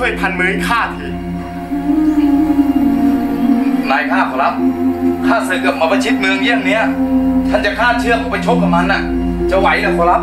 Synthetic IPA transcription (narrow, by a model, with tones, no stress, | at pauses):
t͡ɕʰu˥˩əjpʰa˧nmɯ˧˥˩kʰaː˥˩t̪ʰɯː˧˩ | laː˨˦jpʰaː˥˩kʰɔ˨˧˩la˦˥p̚t̪ʰaː˥˩sɯː˨˩kɯ˨˩p̚maː˧bɔ˧jt͡ɕʰi˦˥t̪̚mɯ˧əŋni˧˥˨a˨ŋni˦˥ɐt̪ʰa˧˥˩nt͡ɕa˨˩kʰaː˥˩t͡ɕʰɯ˥˩əkʰa˧˩pa˧jt͡ɕʰo˦˥p̚ka˨˩p̚ma˧˥nʔa˨˩ | t͡ɕa˧˩wa˧˥˦jlɯː˧˥˩kʰɔ˨˧˦la˦˥p̚